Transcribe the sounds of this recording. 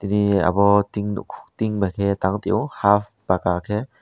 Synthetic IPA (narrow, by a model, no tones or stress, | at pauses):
t̪inia̰bɔt̪iŋnṵkʰu̥t̪iŋbakʰet̪aŋt̪iʔɔhaf | b̥akakʰe